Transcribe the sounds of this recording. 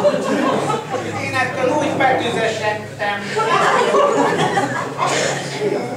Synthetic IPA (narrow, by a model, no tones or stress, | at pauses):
eːnɛk̪ːøluːɟbɛk̪yzɛt̪ɛt̪ːɛm